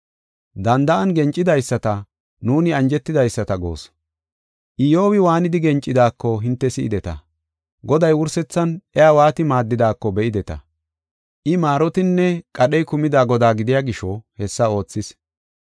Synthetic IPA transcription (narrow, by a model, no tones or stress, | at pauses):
d̪ɐnd̪ɐʔɐnɡɛnt͡ʃʼːɪd̪ɐjsːɐt̪ɐ | nuːnɪɐnd͡ʒɛt̪ːɪd̪ɐjsːɐt̪ɐɡo̞̰ːs | ʔɪjo̞ːwɪwaːnɪd̪ɪɡɛnt͡ʃʼːɪd̪aːkːɔɦɪnt̪ːɛsɪʔɪ̰d̪ɛt̪ɐ̰ | ɡɔd̪ɐjwʊɾsɛt͡sːɐnʔɛaːwaːt̪ɪmaːd̪ːɪd̪aːkːɔbɛʔɪd̪ɛt̪ɐ̰ | ʔɪmaːɾɔt̪ɪnːɛkʼɐɗɛjkʊmɪd̪aːɡɔd̪aːɡɪd̪ɪjaːɡɪʃɔhɛsːɐo̞ːt͡sːɪs